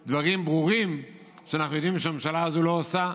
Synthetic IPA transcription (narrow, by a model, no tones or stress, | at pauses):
d̪vaʁimbʁuʁim | ʃeanaχnujod̪imʃeammʃalazulo̞osa